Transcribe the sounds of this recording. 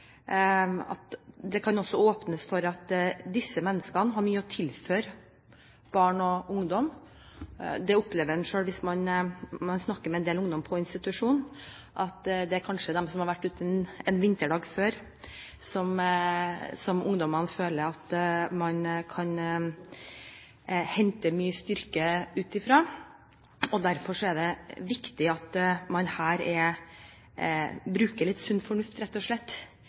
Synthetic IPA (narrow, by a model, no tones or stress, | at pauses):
ɑ̰t̪d̪ɛkʰɑnɔsːɔoːpnəsfɔɾɑt̪d̪ɪsːəmɛnːəskənəɦɑɾmyːəɔt̪ʰɪlføːɾ | b̥ɑːɳɔʊŋd̪ɔm | d̪ɛʊpleːʋəɾɛnʂøːlʋɪsmɑnmɑnsnɑkːəɾmɛnd̪eːlʊŋd̪ɔmpʰɔɪnst̪ɪt̪ʉʂuːn | ʔɑt̪d̪ɛæɾkʰɑnʂəd̪ɛmsɔmhɑɾʋæʈːʉːt̪ʰəɛnɛnʋɪnt̪əɖɑːɡføːɾ | sɔm | sɔmʊŋd̪ɔmɑnføːləɾɑt̪mɑnkʰɑn | hɛnt̪əmyːəst̪ʏɾkəʉːt̪ɪfɾɑː | ɔd̪æɾfɔʂɔɛɖɛʋɪkt̪ɪɑt̪mɑnhæːɾɛ | bɾʉːkəɭɪt̪ːsʉnːfɔɳʉft̪ɾɛt̪ːɔʂɭɛt̪ː